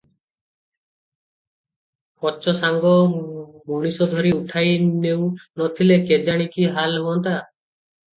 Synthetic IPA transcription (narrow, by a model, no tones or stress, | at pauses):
pɔt͡ʃɔsaŋɡɔmoɽ̃isɔd̪ʱɔɾiuʈʰajnewnɔt̪ʰileked͡ʒaɽ̃ikiɦalɦuɔnt̪a